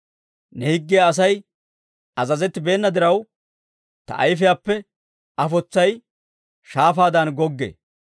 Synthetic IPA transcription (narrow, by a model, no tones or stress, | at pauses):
nɛhɪɡːɪjaːs̬ɐj | ɐzɐzɛt̪ːɪbe̞ːnːɐd̪ɪɾɐw | t̪ɐ̰ʔɐjfɪjaːpːɛ | ɐfɔt͡sːɐj | ʃaːfaːd̪ɐnɡɔɡːḛː